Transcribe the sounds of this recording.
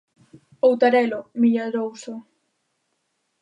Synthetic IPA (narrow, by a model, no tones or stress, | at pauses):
owt̪aɾɛlomiʎaɾowsʊ